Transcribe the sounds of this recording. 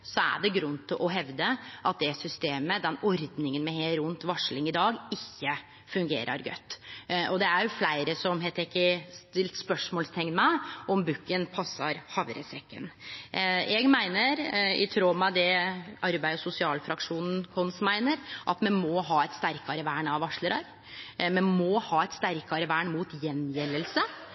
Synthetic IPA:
sɔæ̰ɖɛɡɾʉnːt̪ʰɪlʔɔɦɛʋd̪əʔɑt̪̚d̪ɛsʏst̪eːməd̪ɛnɔɾd̪nɪŋənmɛheːlɾʊnt̪ʋɑʂɭɪŋɪd̪ɑːɡɪçːə | fʉŋɡeːɾʔɑ̰ɾɡœ̰t̪ːɔd̪ɛæɾjʊflæɪɾəsɔmɦɛt̪ɛkɪst̪ɪlt̪spœʂmoːlst̪ʰɛŋnmæɪɔmbʉkːənpʰɑsːɑɾhɑʋɾə̰sɾɛkːə̰n | ɛɡmæɪnəɾɪ̰t̪ʰɾoːmɑd̪ɛɑɾbæɪɔsʊsɪɑːlfɾɑkʂuːnn̩kʰɔnsmæɪnəɾʔɑ̰t̪mɛnmɔɦɑːɛt̪st̪æɾkɑɾəʋæːɳɑʋɑʂləɾɑɾ | mɛnmɔhɑːɛt̪st̪æɾkɑɾəʋæːɳmuːt̪jɛnjɛlːəlsə

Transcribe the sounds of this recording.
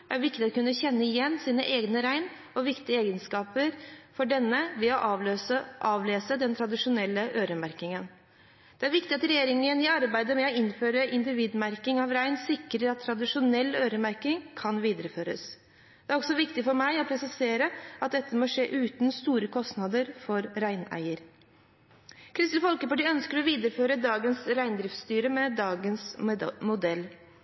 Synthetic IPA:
ʔæɾʋɪkt̪ɪɔkʰʉnːəçɛnːəɪjɛnːsiːnəʔeːɡnəɾæɪn | ɔʋɪkt̪ɪəeːɡənskɑːpəɾfɔɖɛnːəʋɛɔʔɑəʔɑːʋleːsəd̪ɛnt̪ʰɾɑd̪ɪʂʊnɛlːəʔøːɾəmæɾkɪŋən | d̪̥ɛæɾʋɪkt̪ɪɑt̪ɾɛjeːɾɪŋənɪɑɾbæɪd̪əmɛɔɪnføːɾəʔɪnd̪ɪʋiːd̪mæɾkɪŋɑʋɾæɪnsɪkɾəɾɑt̪ʰːɾɑd̪ɪʂʊnɛlːøːɾəmæɾkɪŋkʰɑnʋiːd̪əɾəføːɾə̰s | d̪̥ɛæɾɔɡsɔʋɪkt̪ɪfɔɾmæɪɔpʰɾɛsɪseːɾəɑt̪̚d̪ɛt̪ːəmoːʂḛːʔʉːt̪n̩st̪uːɾəkʰɔst̪nɑd̪əɾfɔɾɾæɪnæ̰ɪəɾ | kʰɾɪst̪l̩fɔlkəpɑʈɪːœnskəɾɔʋiːd̪əɾəføːɾəd̪ɑːɡənsɾæɪnd̪ɾɪft̪st̪yːɾəmɛd̪ɑːɡənsmʊd̪ɛlː

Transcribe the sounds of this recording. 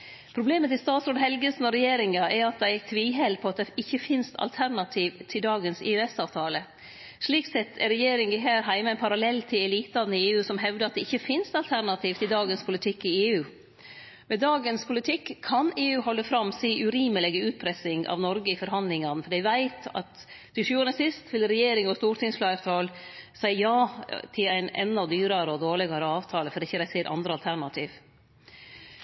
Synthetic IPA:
pʰɾʊbleːmət̪ɪst̪ɑːt̪sɾoːd̪ɦɛlɡəsnɔɾɛjeːɾɪŋɑɛɾɑt̪̚d̪æɪt̪ʰʋiːɦɛlpʰɔɑt̪̚d̪ɛɪçːəfɪnst̪ʰɑ̰lt̪ʰæɾnɑt̪ʰiːʋt̪ʰɪld̪ɑːɡənsɪ̰ʉɛsɑːʋt̪ʰɑːlə | ʂɭiːksɛt̪ʰːɛɾɛjeːɾɪŋɪɦæːɾɦæɪmɑɛnpʰɑɾɑlɛlːt̪ʰɪlɛliːt̪lɑnəɪeːʉːsɔmɦɛʋd̪əɑt̪̚d̪ɛɪçːəfɪnst̪ɑlt̪ʰæɾnɑt̪ʰiːʋt̪ʰɪld̪ɑːɡənspʰʊlɪt̪ʰɪkːɪeːʉː | mɛd̪ɑːɡənspʰʊlɪt̪ʰɪkːʰɑneːʉːɦɔlːəfɾɑmːsiːʔʉɾiːməlɛɡəʉːt̪̚pʰɾɛsɪŋʔɑ̰ʋnɔɾɡəɪfɔɾɦɑnd̪lɪŋɑnəfɔɖæʋæɪt̪ɑ̰t̪ | d̪̥ɪʂʉːɑnəsɪst̪ʋɪlɾɛjeːɾɪŋɔst̪uːɾʈ̪ʰɪŋsflɑɪɾt̪ʰɑːlsæɪjɑːt̪ʰɪlæɪnɛ̰nd̪ɑd̪yːɾɑɾəɔd̪oːɭɪɡɑɾəɑːʋt̪ʰɑːləfɔɖɪçːəɾɛseːɾʔɑ̰nd̪ɾəɑlt̪ʰæɾɳɑt̪ʰiːʋ

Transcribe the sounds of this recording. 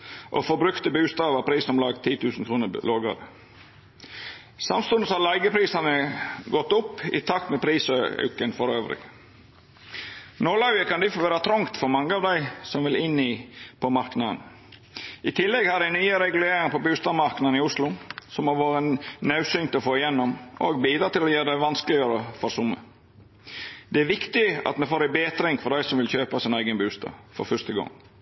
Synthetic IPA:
ʔo̰fɔbɾʉkt̪əbʉːst̪ɑːʋəpʰɾiːsɔmlɑːɡt̪ʰiːt̪ʉːsn̩kʰɾuːnəloːɡɑ̰ɾ | sɑ̰mst̪ʊnəshɑlɑɪɡəpʰɾiːsɑnəɡɔt̪ːʊpːɪ̰t̪ʰɑk̚t̪mɛpʰɾiːsœ̰ʉkənfɔɾøːʋɾɪ̰ | nolɑʉəkʰɑnd̪ɪfɔʋæːɾɑt̪ʰɾɔŋkt̪fɔɾmɑŋːəɑːʋd̪æɪsɔmʋɪlɪnipʰɔmɑɾknɑd̪ən | ɪt̪ʰɪlːɛɡhɑdæɪnyːəɾɛɡʉleːɾɪŋpɔbʉːst̪ɑːʋmɑɾknɑd̪n̩ɪʊslʊsɔmhɑɾʋoːɾənɑʉsynt̪ɔfoːɪjɛnːɔmoɡbiːd̪ɾɑːt̪ɪlɔjøːɾd̪ɛʋɑnskəlɪjøːɾəfɔɾsʊmːə̰ | d̪ɛæɾʋɪkt̪ɪɑ̰t̪mɛfoːɾæbeːt̪ɾɪŋfɔɾɖ̪æɪsɔmʋɪlçøːpɑsɪnæɪɡənbʉːst̪ɑ̰ːʋfɔ̰ɾfœʂst̪əɡɔ̰ŋ

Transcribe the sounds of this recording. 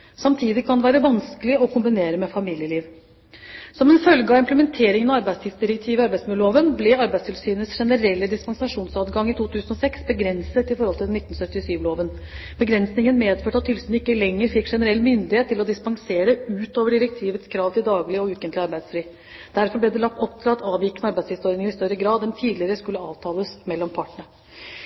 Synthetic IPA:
sɑmt̪ʰiːd̪ɪkʰɑnd̪ɛʋæːɾəʋɑnskəlɪɔkʰʊmbɪneːɾəmɛfɑmiːljəliːʋ | sɔmɛnfœlɡəɑɪmpləmɛnt̪ʰeːɾɪŋənɑɑɾbæɪst̪ɪːʋsd̪ɪɾək̚t̪ʰiːʋɪɑɾbæɪsmʉoːʋənblɛɑɾbæɪst̪ʰɪlsyːnəsʂɛnəɾɛlːəd̪ɪspɑŋsɑʂuːnsɑːt̪ɡɑŋːɪt̪ʰuːt̪ʰʉːsənɔsɛksbəɡɾɛnsət̪ɪfɔɾhɔlt̪ɪlnɪt̪ːnsœt̪ːɪsyːʋloːʋənbəɡɾɛnsnɪŋənmeːd̪føːʈɑt̪ʰːʏlsnɪkːəlɛŋːəɾfɪkːʂɛnəɾɛlːmʏnd̪ɪheːt̪ːɪlɔd̪ɪspɑŋseːɾəʉːt̪oːʋəɖɪɾɛk̚t̪ʰiːʋət̪skʰɾɑːʋt̪ɪld̪ɑːɡlɪɔʉːkənt̪lɪɑɾbæɪd̪sfɾiː | d̪̥æɾfɔɾblɛd̪ɛlɑkt̪ɔp̚t̪ʰɾɑt̪ʰɑːʋɪkːənəɑɾbæɪst̪ɪsɔɾd̪nɪŋɪst̪œɾəɡɾɑːd̪ɛnt̪ʰiːd̪lɪəɾəskʉlːəɑːʋt̪ʰɑːləsmɛlːɔmpʰɑʈəɳə

